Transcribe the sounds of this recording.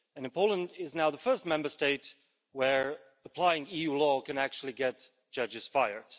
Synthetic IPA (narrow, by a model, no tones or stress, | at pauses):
ɨ̃nɨ̃npʰoʊlˠə̃ndɪznaʊðəfɜ˞st̚mɛ̃mbə˞steɪt̚ | wə˞ | əpʰl̥aɪɪ̃ŋijulɔkʰɨ̃næk̚t͡ʃul̩ˠiɡɛt̚ | d̥ʒ̥ʌd͡ʒɨz̥faɪə˞d̥